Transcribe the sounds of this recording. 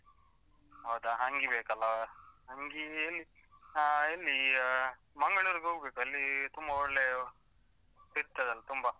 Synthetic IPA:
ɦɐwd̪aɦɐŋɡibeːkɐlːɐɦɐŋɡielːi | aelːi | mɐŋɡɐɭuːɾɡɦoɡbeːkuɐlːit̪umbɐɔɭle | siɾt̪ɐd̪ɐlt̪umbɐ

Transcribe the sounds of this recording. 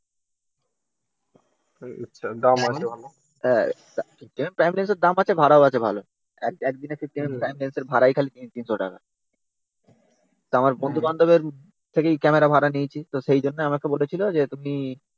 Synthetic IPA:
ḭʃʰad̪amaebʱalo | ɛ | asiʈːimepɾajmlajnseɾd̪amat͡ɕʰebʱaɾaoat͡ɕʰebʱalo | ɛɛkd̪inesʰik̚ʈːimepɾajmlajnseɾbʱaɾajkʰalit̪int̪inʃoʈaka̰ | t̪oamaɾbond̪ʱuband̪ʱobeɾ | t̪ʰekejkɛmeɾabʱaɾanijt͡ɕʰit̪oʃejd͡ʑonːeamakebolet͡ɕʰilod͡ʑet̪umi

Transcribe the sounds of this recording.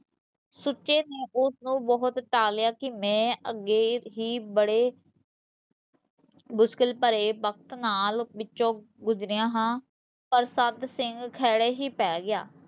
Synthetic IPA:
sʊtːʃeːneːʔʊsnũːbəɦʊt̪ʈaːljaːkɪmɛ̃ːəɡːeːɦiːbəɽeː | bʊskɪlpəɾeːʋək̚t̪naːlbɪt͡ʃːõː | ɡʊzɾɪjãːɦãː | pəɾsəd̪sɪŋɡkʰɛːɽeːɦiːpɛːɡɪja̰ː

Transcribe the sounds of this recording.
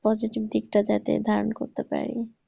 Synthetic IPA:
pɔd͡ʑiʈib̚d̪ikʈad͡ʑat̪ḛd̪ʱaɾonkoɾt̪epa̰ɾḭ

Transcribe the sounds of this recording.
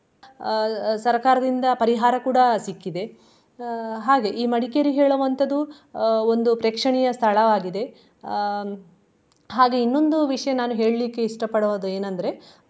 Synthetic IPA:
sɐɾkaːɾɐd̪ind̪ɐpɐɾiɦaːɾɐkuːɽɐsikːid̪e̞ | ɦaːɡe̞ʔiːmɐɽikejɾiɦeːɭuʋɐnt̪ʰɐd̪u | o̞nd̪upɾeːkʂɐɳɛjɐst̪ʰɐɭɐʋaːɡid̪e̞ | ɦaːɡe̞inːo̞nd̪uʋiʂɐjɐnaːnuɦe̞ːɭlikːe̞iʂʈɐpɐɽɐʋɐd̪ueːnɐnd̪ɐɾe̞

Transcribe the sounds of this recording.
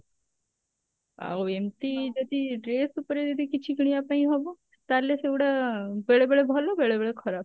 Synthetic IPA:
a̰oemt̪id͡ʒɔd̪ʱiɾeːsupɾed̪id̪ikit͡ʃʰikɽ̃iapãĩɦɔbo | t̪aɾlesewɽabeɭebeɽebʱɔlɔbeɭebeɭekʰɔɾaːb̚

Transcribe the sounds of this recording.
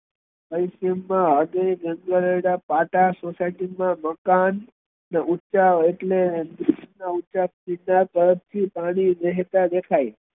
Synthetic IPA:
pəjsemːãɦəd̪eɡə̃ŋɡaləɽapaʈasosaiʈiŋmãməkanː | eutːʃaeʈled̪isnautːt͡ʃat͡ʃinat̪əɾəpt̪ʰːipaɽ̃id̪əɦt̪ad̪ekʰaj

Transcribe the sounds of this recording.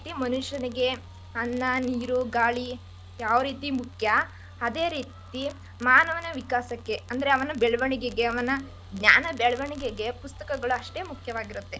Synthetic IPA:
t̪imɐnuʃɐniɡe̞ | ɐnːɐniːɾuɡaːɭi | jaːʋɐɾiːt̪imukʰjɐ | ɐd̪e̞ːɾiːt̪i | maːnɐʋɐnɐʋikaːsɐkːe̞ɐnd̪ɐɾeɐʋɐnɐbeɭʋɐɳiɡeɡe̞ɐʋɐnɐ | ɡɲa̰ːnɐbɛɭʋɐɳiɡeɡe̞pust̪ɐkɐɡɐɭuɐʂʈe̞ːmukʰjɐʋaːɡiɾut̪ːe̞

